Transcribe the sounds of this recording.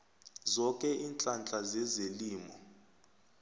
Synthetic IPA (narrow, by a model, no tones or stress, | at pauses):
zɔkʼɛʔint͡ɬʼant͡ɬʼazɛzeliːmɔ